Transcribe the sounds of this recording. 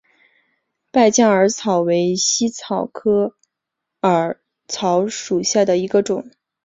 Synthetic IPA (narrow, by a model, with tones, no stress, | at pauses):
pa˥˩ɪt͡ɕjɑ˥˩ŋə˞˧˥t͡sʰɑ˨˩ʊwe˧˥ɪɕi˥t͡sʰɑ˨˩ʊkʰɤ˥ | ə˞˨˧˥ | t͡sʰɑ˧˥ʊʂu˨˩ɕja˥˩d̪ə˩i˧˥ɡə˧ʈ͡ʂʊ˨˩˦ŋ